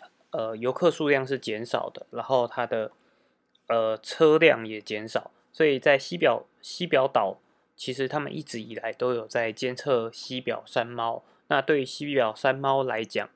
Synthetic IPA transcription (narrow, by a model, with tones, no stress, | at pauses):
ə˩jo˧˥ʊkʰɤ˥˧ʂu˥˧ljɑ˥˧ŋʂ̬ɻ̩˥˩t͡ɕjɛ˧˦˥nʂɑ̰˨˩ʊd̪ə˦na˧˥nxo˥˩ʊt̪ʰa˥d̪ə˨ | ə˨˩t͡sʰɤ˥ljɑ˥˨˩ŋjɛ˨˩t͡ɕjɛ˧˥nʂɑ˨˩ʊ | swo˧˥i˨˩t͡sa˥˩ɪɕi˥pjɑ˨˩ʊ | ɕi˥pjɑ˧˥ʊt̪ɑ˨˩ʊ | t͡ɕʰi˧˥ʂɻ̩˧˥t̪ʰa˥mə̰˨nʔḭ˥˩ʈ͡ʂɻ̩˧˥i˨˩la˨˦ɪt̪o˥ʊjo˨˩ʊt͡sa˥˩ɪt͡ɕjɛ˥˧nt͡sʰɤ˥˧ɕi˦pjɑ̰˨˩ʊʂa˦˥nmɑ˦ʊ | na˥˧t̪we˥˩ɪ˩ɕi˦˥pjɑ˨˩ʊʂa˦nmɑ˥ʊla˧˦ɪt͡ɕjɑ̰˨˩ŋ